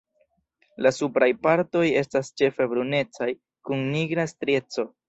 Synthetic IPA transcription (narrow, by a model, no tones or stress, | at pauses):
lasupɾajpaɾto̞je̞stast͡ʃe̞fe̞bɾune̞t͡saj | kunniɡɾastɾe̞t͡so̞